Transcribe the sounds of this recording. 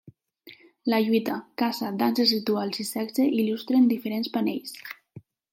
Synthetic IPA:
laʎuit̪akasad̪anzesit̪ualˠzisɛɡzeʔilust̪ɾend̪ifeɾenspanejs

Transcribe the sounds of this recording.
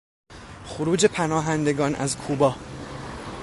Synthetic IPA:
xoɾuːd͡ʒe̞pʰænɒːɦænd̪e̞ɡɒːnʔæ̰zkʰuːbɒː

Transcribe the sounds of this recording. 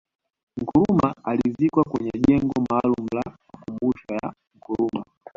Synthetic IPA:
ŋkuɾumaalizikwakwɛɲɛʄɛŋɡɔmaːlum̩lamakumbuʃaja̰ | ŋ̩kuɾuma

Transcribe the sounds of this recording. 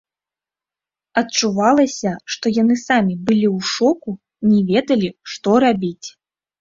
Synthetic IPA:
ɐtt͡ʂuvalˠɐsʲɐʂt̪ɔjanɨsamʲibɨlʲiwʂɔku | nʲɛvʲɛd̪ɐlʲiʂt̪ɔɾabʲit͡sʲ

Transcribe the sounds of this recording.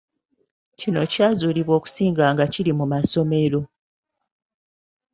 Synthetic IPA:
cino̞caːzuːliβwo̞ːku̥siːŋɡaːŋɡacilimumaso̞me̞ɾo̞

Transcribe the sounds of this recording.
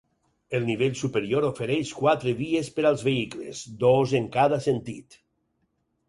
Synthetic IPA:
elˠniβ̞eʎʲsupeɾioɾofeɾɛʃkwat̪ɾeβiespeɾalˠzβeiklḛzd̪ozeŋkað̞asent̪ḭt̪

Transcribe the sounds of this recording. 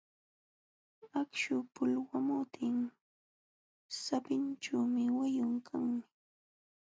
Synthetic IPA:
akʃʊpʊlwamʊt̪ʰɪŋ | sapɪnt͡ʃawmɪwajʊŋkʰaŋmɪ

